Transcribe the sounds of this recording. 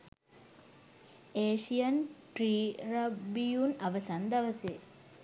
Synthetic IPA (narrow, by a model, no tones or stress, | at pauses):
eːʃijɐnʈriːrɐbijunɐʋɐsɐnd̪ɐʋɐse